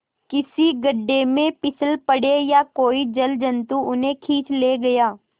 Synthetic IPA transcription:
kɪsiɡɐɖːemẽpɪsəlpɐɽejakoːid͡ʒɐld͡ʒɐ̃nt̪uʊnɦẽkʰiːt͡ʃleːɡɐjaː

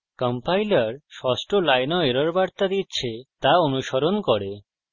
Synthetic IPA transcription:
kɔmpajlaɾʃɔsʈolajnɔeɾaɾbaɾt̪ad̪itːɕʰet̪aonuʃoɾonkɔɾe

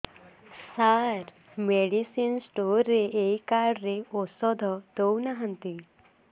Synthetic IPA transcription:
saɾ | meɽisinsʈoɾːeʔejkaɾɾeɔsɔd̪ʱɔt̪ɔwnaɦãnt̪i

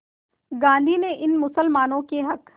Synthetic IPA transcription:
ɡãːnd̪ʱineʔɪnmʊsəlmaːnõkeɦɐk

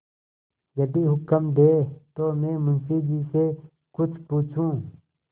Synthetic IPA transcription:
jəd̪iːɦʊkəmd̪eːt̪oːmẽːmʊnsiːd͡ʒiːseː | kʊt͡ʃʰpuːt͡ʃʰũː

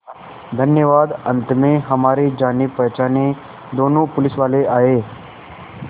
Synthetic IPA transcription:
d̪ʱənjəʋaːd̪ənt̪mẽɦəmaːɾed͡ʒaːnipəɦt͡ʃaːne | d̪oːnũːpʊlɪsʋaːleaːɦeː

